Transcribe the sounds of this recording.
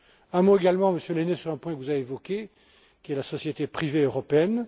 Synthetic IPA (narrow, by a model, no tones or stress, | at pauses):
ɛ̃moeɡalmɑ̃məsjølenesyʁɛ̃pwɛ̃kəvuzaeevɔkʲe | kʲiɛlasɔsjet̪epχiveøʁɔpeɛn